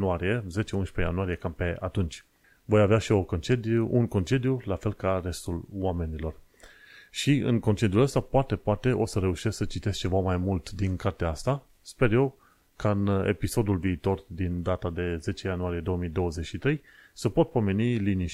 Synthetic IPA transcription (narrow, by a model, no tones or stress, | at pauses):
nuaɾije̞ze̞t͡ʃe̞unʃpe̞ja̰nuaɾije̞kampe̞a̰t̪unt͡ʃʲ | vo̞javeaʃio̞kont͡ʃed̪uunko̞nt͡ʃe̞d̪julafe̞lkare̞st̪ulwame̞nilo̞r | ʃiɨ̰ŋko̞nt͡ʃe̞d̪juləst̪apoat̪e̞poat̪e̞ʔo̞səɾe̞uʃessət͡ʃit̪e̞s̚t͡ʃe̞vamajmult̪d̪inkart̪eaast̪a | spe̞rje̞w | kaɨnḛpiso̞d̪ulviːt̪o̞rd̪ind̪at̪ad̪e̞ze̞t͡ʃe̞januaɾije̞d̪o̞wəmijd̪o̞wəze̞t͡ʃʃit̪ɾe̞jsəpo̞t̪̚po̞me̞niliniʃ